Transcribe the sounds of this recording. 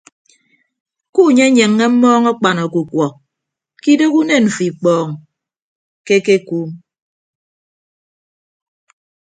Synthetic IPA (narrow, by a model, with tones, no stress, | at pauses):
ku˦˨ɲe˦ɲe˨ŋːe˦m̩˦mɔː˦ŋɔ˦k͡pa˨nɔ˨ku˨kwɔ˨ | ki˦do˦ku˦ne˦˨nɱ̩˨fi˨k͡pɔː˨ŋ | ke˦ke˦kuː˦m